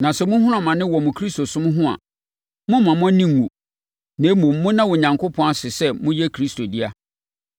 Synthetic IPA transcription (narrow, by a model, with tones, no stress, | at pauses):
nã˨sɛ˦mʊ̃˦ɦʊ̃˦ɾã˦˨mã˨nɪ̃˦wɔ˨mʊ̃˨kʰɾi˦sto˨sʊ̃˦mʊ̃˦ɦʊ̃˦a̰˨ | mʊ̃˦mã˨mʊ̃˦nĩ˦ŋː˨ũ˨ | nẽ˨˦mũ˨m̩ː˦ʊ̃˦nã˦wʊ˨ɲã˨ŋkʰʊ˦pʰɔ̃˨˦a˦sɪ˨sɛ˦mʊ̃˦jɛ˦kʰɾi˦sto˨di˦a˦